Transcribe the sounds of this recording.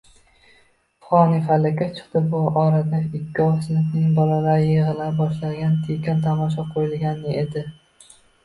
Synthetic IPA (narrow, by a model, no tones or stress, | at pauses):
fχɒnɪfalːɪkʲːat͡ʃʰɨ̥qt̪ɪbʊɒɾad̪aɪkʲʰːɒfsɪnɪfnɪŋbɒlalaɾɪjeʁɨlabɒʃlaɡʲant̪ʰikʲant̪ʰamɒʃ̬ɒqʰojɪlɡʲanɪʔed̪ɪ